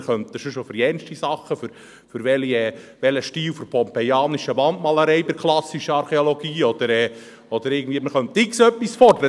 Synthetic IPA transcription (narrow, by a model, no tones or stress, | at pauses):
χœnt̪ːəʃoʃofʏɾiɛnʃtisɑχːəfʏɾ | fʏɾʋɛliɛːʋɛləʃtiːlwfɔɾpʰɔmpɛjɑːniʃəʋɑnt̪mɑləɾɛɪbɪɾkʰlˠɑsːiʃəɑɾχeoloɡ̥iːɔd̥̪əɾɛː | ɔd̪əɾɪːɡənd̪viːəməχœnt̪ːɪksœpːisfɔɾd̪əɾə